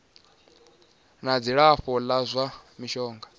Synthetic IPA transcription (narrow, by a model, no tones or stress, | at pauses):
nad͡ziɺaɸɔlazʷamiʃɔːŋɡa